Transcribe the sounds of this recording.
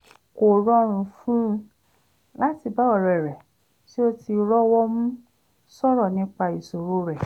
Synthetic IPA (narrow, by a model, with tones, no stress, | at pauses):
ko˨ɾɔ˦ɾ̃ũ˧fũ˦ | la˦ti˧ba˨˦ɔ˨ɾɛ˨ɾɛ˨ | si˦o˧ti˧ɾɔ˦wɔ˦mũ˦ | sɔ˦ɾɔ˦˨nĩ˦k͡pa˧i˨so˨ɾo˦ɾɛ˦˨